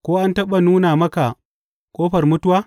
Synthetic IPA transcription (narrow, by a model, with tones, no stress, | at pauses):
kʷoː˦ʔa˦ntɐ˦ɓɐ˨nuː˦naː˨mɐ˦ka˨ | kʷʼoː˦ɸɐ˨rmʊ˦tʊ˦waː˦